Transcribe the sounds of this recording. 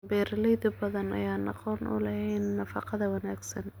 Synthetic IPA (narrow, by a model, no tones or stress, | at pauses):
bɛːɾɐlɛjðʊbɐðɐnɐ̰jaːnɑ̰qɔːnʔʊ̰lɐhɛnːɐfɑqɑðɐwɑnaːɡsɐn